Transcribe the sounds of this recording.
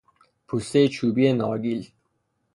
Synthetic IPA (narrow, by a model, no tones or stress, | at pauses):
pʰust̪ejet͡ʃʰuːbienɒːɡil